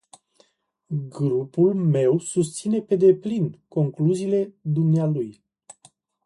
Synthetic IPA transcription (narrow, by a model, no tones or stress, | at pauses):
ɡɾupulme̞wsust̪sine̞pe̞d̪e̞plinko̞ŋkluziːle̞d̪umnealuj